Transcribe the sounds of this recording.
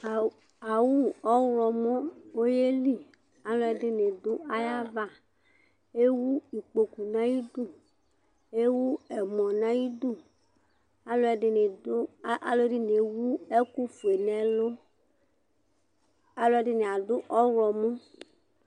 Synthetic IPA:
a˨wu˦ɔ˦ɾɔ˨mɔ˦wo˦je˦li˦ | a˦lo˦ɛ˨dɪ˦ne˨d̪ʊ˦a˦ja˦va˦˨ | e˦wu˦i˨k͡po˨ku˨nã˦ji˦d̪u˦˨ | e˦wu˦ɛ˨mɔ̃˨nã˦ji˦du˦˨ | a˨˦lo˦ɛ˨dɪ˨ne˨dʔa̰˦lo˦ɛ˦dɪ˦ne˨wu˦ɛ˦ku˦fu˨e˨nɛ̃˨lo˦ | a˨lo˦ɛ˦dɪ˦nẽ˨a˨dʊ˦ʔɔ˦wɔ˨mɔ˦

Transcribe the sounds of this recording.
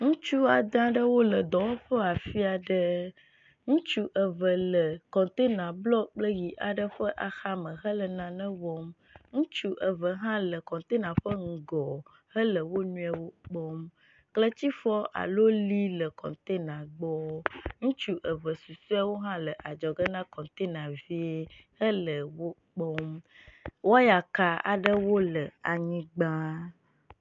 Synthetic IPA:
ŋũ˦t͡ʃu˦a˨d̪ã˦ɖə˦wo˦lə˨d̪ɔ̃˨wo˦ɸə˦a˨fi˦a˨ɖə˦ | ŋũ˦t͡ʃu˦ʔə˨və˨lə˨kɔ̃˨t̪e˦nã˨blɔ˦k͡plə˦ji˨ʔa˨ɖə˦ɸə˦ʔa˨xa˦mə̃˨ɦə˦lə˨nã˨nə̃˦wɔ˦m | ŋũ˦t͡ʃu˦ʔə˨və˨ɦã˦lə˨kɔ̃˨t̪e˦nã˨ɸə˦ŋ̩˨ɡɔ˨ | hə˦lə˨wo˦nũ˦a˨wo˦k͡pɔ˦m | klə˦t͡ɕi˦fɔ˦ʔa̰˨lo˦li˦lə˨kɔ̰̃˨t̪e˦nã˨ɡ͡bɔ˦ŋũ˦t͡ʃu˦ʔə˨və˨su˨su˦a˦wo˦ɦã˦lə˨ʔa˨d͡ʒɔ˨ɡə˦nã˦kɔ̃˨t̪e˦nã˨vi˦e˦hə˦lə˨wo˦ | k͡pɔ˦m | wo˦ja˨ka˨a̰˨ɖə˦wo˦lə˨a˨ɲĩ˦ɡ͡bã˦

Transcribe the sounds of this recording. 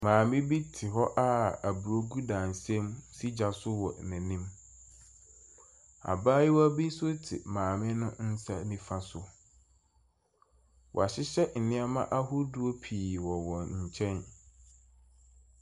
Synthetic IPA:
mãː˨mɪ̃˦bi˦tʰɪ˨ɦɔ˦ʔa˦a˨bu˨ɾo˦ɡu˦dã˨n˨sɛ̃˦msi˦d͡ʑa˨sʊ˦wɔ˨næ̃˨nĩ˦m | a̰˨baː˦ji˦wɔ˦a˦bi˦sʊ˦tʰɪ̰˨mãː˨mɪ̃˦nʊ̃˦n̩˦sa̰˦nĩ˦fa˦sʊ˦ | wʔɔ̰˨a˨ɕɪ˦ɕɛ˦n̩˨nɪ̃˦a˦mã̰˦ʔa˦ɦʊ˦du˦o˦pʰiː˨wɔ˨wɔ̃˨ɲ̩˨t͡ɕʰɛ̃˦n

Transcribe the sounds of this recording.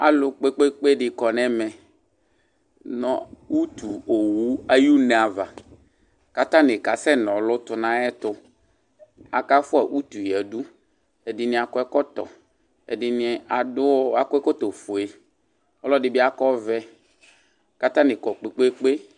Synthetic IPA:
a̰˨lʊ˨k͡pe˦k͡pe˦k͡pe˦ɖɪ˨kɔ˨nɛ˦mɛ˨ | nɔ˨wu˦t̪u˨o˨wu˦a˦ju˦nɛ˨a˨va˨ | ka˦t̪ã˦nɪ˨ka˨sɛ˦nɔ̃˨lʊ˦t̪ʊ˨nã˦ɛ˦t̪ʊ˦ | a˨ka˦fʊ˦a˨ʔu˦t̪u˨jɛ˨du˦ | ɛ˨dɪ˨nɪ̃˨a˨kɔ˦ɛ˦kɔ˦t̪ɔ˨ | ɛ̰˨dɪ˨nɪ˦a˨dʊ˦a˦kɔ˦ɛ˦kɔ˦t̪o˨fo˨e˨ | ɔ˦lɔ˦dɪ˦bɪ˦a˦kɔ˦vɛ˦ | ka˦t̪ã˦nɪ˨kɔ˨k͡pe˨k͡pe˦k͡pe˦

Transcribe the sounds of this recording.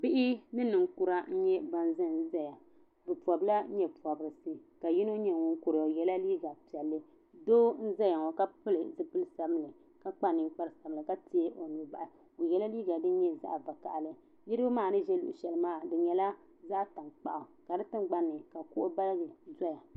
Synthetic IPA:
bɪ˦ʔɪ˦nɨ˦nɨ˨ŋ˦ku˦ɾa˦n̩˦ɲɛ˦ba˦n˦zɨ˦n˦zɛ˦ja˨ | bɨ˨pɔ˨bla˦ɲɛ˦pu˨ɔ˨bɨ˨ɾɨ˨sɨ˦ka˨ji˦no˦ɲɛ˨ŋʊ˦ŋ˦ku˨ɾɨ˨o˨jɛ˦la˦liː˦ɡa˨pi˨ɛ˨lːɨ˦ | doː˦n̩˦zɛ˦ja˨ŋɔ˨ka˦pɨ˦lɨ˨zɨ˦pɨ˦lsa˨bɨ˦lɨ˨ | ka˦k͡pa˦nɨ˨ŋk͡pa˦ɾɨ˦˨sa˨bɨ˨lɨ˨ka˦ti˦e˦ʔo˨nu˨ba˨ʔa˨ | o˨jɛ˦la˦liː˦ɡa˨dɨ˦ɲɛ˦za̰˦ʔba˨ka̰˨ʔlɨ˦ | ni˦ɾɨ˦bɨ˦maː˦˨nɨ˦ʒɛ˦lṵ˦˨ʔʊ̰˨ʃɛ˨lmaː˦˨dɨ˨ɲɛ˨la˦ | za˦ʔta˨ŋk͡pa̰˨ʔa˨ka˨dɨ˦tɨ˦mɡ͡ba˦nːɨ˨ka˨kʊ˦ʔo˦ba˦lɡɨ˨zɔ˦ja˨

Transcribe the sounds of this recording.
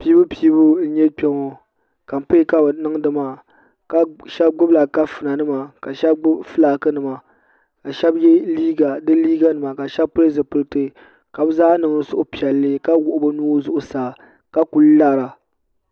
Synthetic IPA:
piː˦bɨ˦piː˦bu˦n̩˦ɲɛ˦k͡pɛ˦ŋɔ˨ | ka˨m˨pɨ˦ka˦bnɨ˦ŋdɨ˦ma˨ | ka˦ʃɛ˦b̚ɡ͡bʊ˦bla˨ka˦fɨ˨na˨nɨ˦ma˨ka˨ʃɛ˦b̚ʊ˦fɨ˦laː˨˦kɨ˦nɨ˨ma˨ | ka˨ʃɛ˦bjɛ˦liː˦ɡa˨dɨ˦liː˦ɡa˦nɨ˨ma˨ka˨ʃɛ˦bpɨ˦ɾɨ˦zɨ˨pɨ˦ɾtɨ˦˨ | ka˨bɨ˦zaː˦nɨ˨ŋ˦ɨ˦sʊ˦ʔʊ˦pi˨ɛ˨lːɨ˦ka˦wʊ˨ʔʊ˦bɨ˦nuː˦zʊ˦ʔʊ˦saː˨ | ka˦ku˨lla˦ɾa˨

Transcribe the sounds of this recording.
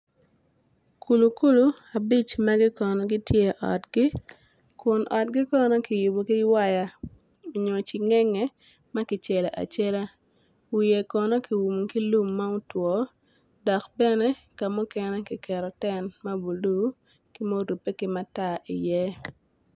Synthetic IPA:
kʰu˨lu˨ku˦lu˨ | a˨bi˦t͡ʃma˦ɡɪ˦kɔ˨nɔ˦ɡɪ˦tje˦ʔɔ̰˨tɡɪ˦ | kʊ˨nʔɔ˨t̚ɡɪ˦kɔ˦nɔ˦kɪ˨ju˨bo˨kɪ˦wa˦ja˨ | o˨ɲo˨t͡ʃɪ˨ŋɛ˦ŋɛ˦ | ma˦kɪ˨t͡ʃɛ˨la˨ʔa̰˨t͡ʃe˦la˦ | wije˨kɔ˨nɔ˦kɪ˨wu˨m˨ki˦lu˦mːa˦u˦twɔ˨ | dɔ˨kbɛ˦nɛ˦ka˨mʊ˦kɛ˨nɛ˦kɪ˨kɛ˨ɾɔ˨tɛ˦nma˦bu˨lu˦ | kɪ˦mo˦ɾu˨pːe˦kɪ˨ma˦ta˦˨ʔḭ˨jɛ˦

